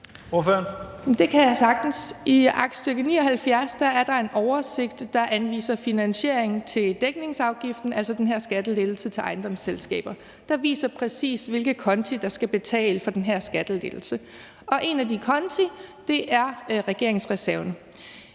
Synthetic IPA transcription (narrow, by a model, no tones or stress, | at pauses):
oføɐn | md̥e̝kʰæjasɑ̈ɡ̥d̥n̩siɑ̈ɡ̥̚d̥sd̥øɡ̥əniːɒ̽ɦælfjæɐsd̥ɑ̈æɐɾ̥ɑ̈e̝nʔɒʊɐse̝ɡ̥d̥ːɑ̈ʔænʋḭːsɐfinænɕe̝ɐ̰e̝ŋn̩t͡sʰe̝ld̥eɡ̥̚ne̝ŋsɑ̈ʊɡ̥ifd̥n̩ælsɒ̽d̥enɦe̝ɐsɡ̥æd̥əle̝d̥l̩sət͡sʰe̝lʔɑ̈ɪnd̥ɒ̽mselsɡ̥ɛ̰ːb̥ɐ | d̥ɑ̈ʋḭːsɐpʰʁɛsḭːsʋe̝lɡ̥ð̩ˠkʰɒ̽nt͡sʰid̥ɑ̈sɡ̥æb̥e̝t͡sʰɛ̰ːləfɒ̽d̥enɦæɐsɡ̥æd̥əle̝d̥l̩sə | ɒ̽ʔe̝nædikʰɒ̽nt͡sʰid̥e̝ʔæɐʁɛɡ̥e̝ɐ̰e̝ŋsʁɛsæɐn